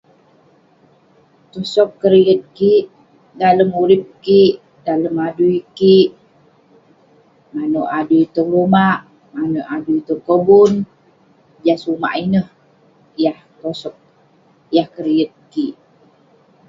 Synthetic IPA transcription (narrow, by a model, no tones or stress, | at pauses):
t̪osɔkːəɾiət̪̚kiʔ | daləmuɾip̚kiʔ | daləmaduikiʔ | manoʔaduit̪əŋɾumaʔ | manoʔaduit̪əŋkəbʊn | d͡ʒasuma̰ʔinəh | jaht̪ɔsɔk̚ | jahkəɾiət̪̚kiʔ